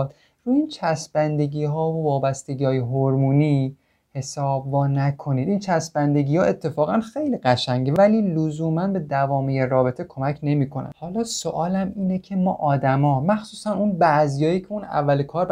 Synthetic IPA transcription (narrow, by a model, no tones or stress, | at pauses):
d̪ | ɾuiːnt͡ʃʰæsbænd̪e̞ɡiːɦɒːvovɒːbæst̪e̞ɡiːɒːje̞ɦoɾmuːniː | he̞sɒːbvɒːnækʰo̞niːd̪int͡ʃʰæsbænd̪e̞ɡiːhɒːʔe̞t̪ʰːe̞fɒːɣænxejliːɢæʃæɲɟevæliːlozuːmænbe̞d̪ævɒːmijerɒːbe̞t̪ʰe̞kʰo̞mæcʰne̞miːkʰo̞næ̰hɒːlɒːsoʔɒːlæmiːnecʰe̞mɒ̰ːʔɒːd̪æmɒːmæxsuːsænunbæzijɒːjiːcʰe̞unæ̰vːælekʰɒːɾ